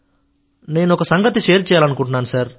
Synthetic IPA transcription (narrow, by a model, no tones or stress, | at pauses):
ne̞ːnuɔkɐsɐŋɡɐt̪iʃeːɾt͡ʃɛːjaːlɐnukuɳʈunːaːnusaːɾ